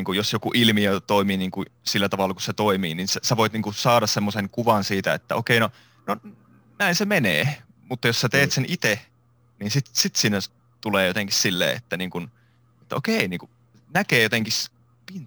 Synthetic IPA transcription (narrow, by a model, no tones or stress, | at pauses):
iŋkujosjokuʔilmiot̪oimiːniːŋkusilːæt̪ɑʋɑlːɑkuset̪oimiːninsesæʋoit̪niːŋkusɑːɾɑssemːoseŋkuʋɑnsiːt̪æḛt̪ːæokeino | no | næinsemeneː | mut̪ːɑjossæt̪eːt̪senʔit̪e | niːnsit̪sit̪siːnːæ | t̪uleːjot̪eŋkissilːḛːḛt̪ːæniːŋkun | et̪ːæo̰keiniːŋku | nækeːjot̪eŋkis | pint̪